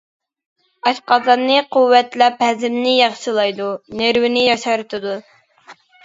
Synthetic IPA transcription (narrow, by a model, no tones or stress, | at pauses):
ɑʃqɑzɑnːɨquwːɛt̪lɛphɛzɪmnɪjɑχʃɨlˠɑjd̪uneɾwɪnɪjɑʃɑɾt̪ʰɨd̪u